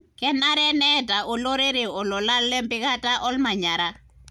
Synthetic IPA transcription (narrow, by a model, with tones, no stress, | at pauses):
kɛ˦na˦ɾɛ˦nɛta˨ʔo˨lo˦ɾe˦ɾe˨ɔ˨lo˨la˦lːɛ˦mpɪ˦ka˦ta˦ʔɔ˦lma˨ɲa˨ɾa˦